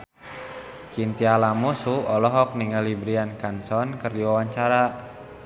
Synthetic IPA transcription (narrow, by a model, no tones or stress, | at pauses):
t͡ʃint̪ialamusuɔlɔɦɔk̚niŋəlibɾiankansɔnkərdiwawaɲt͡ʃaɾa